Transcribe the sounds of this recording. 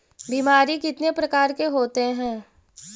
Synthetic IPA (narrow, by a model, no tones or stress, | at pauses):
biːmaːɾikɪt̪nepɾɐkaːɾkeɦoːt̪eɦɛ̃ː